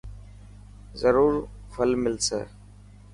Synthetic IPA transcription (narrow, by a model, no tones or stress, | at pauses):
zəɾuːɾfʰəlmɪlsḛː